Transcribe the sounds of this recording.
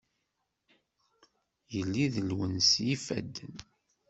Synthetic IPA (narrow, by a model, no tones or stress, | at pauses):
jəlːiðəlwənsjifæ̰d̪ːən